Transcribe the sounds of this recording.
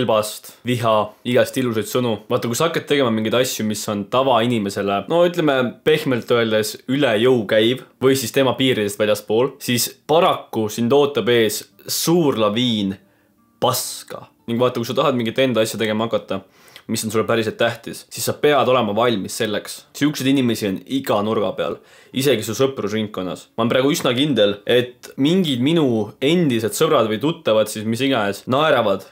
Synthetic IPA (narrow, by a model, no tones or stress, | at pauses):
lbɑst̪viɦɑiɡ̥ɑst̪ilus̬ɑjd̪̥sɤnuvɑːt̪ːˑɑkujsɑhɑkːˑɑt̪ːe̞ɡe̞mɑmiŋɡijd̪ɑsjumiso̞nt̪ɑvɑinime̞se̞leno̞yt̪ˑleme̞pe̞hmelt̪ˑːøeld̪e̞sylejɤwkæjb̥vɤ̞jsist̪e̞mɑpiːɾid̪est̪vælʲjɑspo̞ːlsispɑɾɑkːusint̪o̞ːt̪ːˑɑbe̞ːs | suːrlɑviːn | pɑskɑ̰niŋɡ̥vɑːt̪ːˑɑkujsɑt̪ɑɦɑd̪miŋɡit̪ːˑe̞nd̪ɑsjɑt̪e̞ɡ̥e̞mɑɑkːˑɑt̪ːˑɑ | misːonsulːepæɾiselt̪ːæht̪issisːɑpe̞ɑd̪o̞le̞mɑvɑlʲmisːe̞lːe̞kssiykse̞d̪inime̞sio̞niɡ̥ɑnurɡ̥ɑ̰pe̞ɑ̰l | ise̞ɡisusɤprusriŋkːo̞nːɑ̰smɑnpɾæːɡ̥uysnɑkind̪̥e̞le̞t̪ːˑmiŋɡid̪minue̞nd̪ise̞d̪sɤbɾɑd̪vɤjt̪ut̪ːˑɑvɑd̪sismisiɡ̥ɑesnɑeɾɑvɑd̪̥